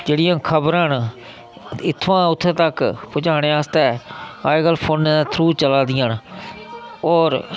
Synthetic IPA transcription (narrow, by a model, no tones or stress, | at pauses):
d͡ʒeːɽɪjãːkʰəbɾãːn | ɪt̪ʰːʋãːʊt̪ʰːeːt̪əkpʊt͡ʃaːɽ̃eːaːst̪ɛːaːɪɡəlpʰoːnːt̪ʰɾuːt͡ʃəlaːd̪ɪjaːn | ɔːɾ